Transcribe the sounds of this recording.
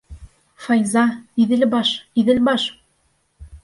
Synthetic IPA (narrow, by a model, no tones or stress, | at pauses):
fɑjzɑiðɘ̆lbɑʃiðɘ̆lbɑʃ